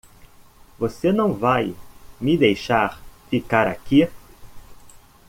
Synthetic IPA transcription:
vosenɐ̃w̃vajmid̪ejʃaɾfikaɾa̰ki

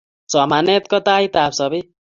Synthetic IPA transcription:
sʌmanet̪kʌt̪ajt̪absʌbʌj

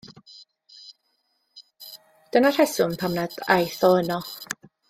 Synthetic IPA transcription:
d̥ənar̥ɛsʊnpʰamnada̰jθɔənɔ

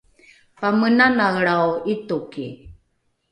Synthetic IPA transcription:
pamənanaɣɭawit̪ukḭ

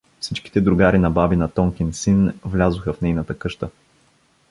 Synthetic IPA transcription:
fsit͡ʃki̥t̪ɛd̪ɾʊɡaɾinɐbabinɐt̪ɔŋkʲɛnsinvlʲazʊxəfnɛjnɐt̪əkɤʃt̪ə

